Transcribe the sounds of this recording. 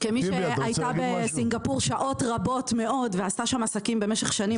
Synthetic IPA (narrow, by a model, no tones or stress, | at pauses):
kemiʃeajabesiŋɡapuʁʃaʔo̞tʁabo̞tme̞ʔo̞dveastaʃamasakimbemeʃe̞χʃani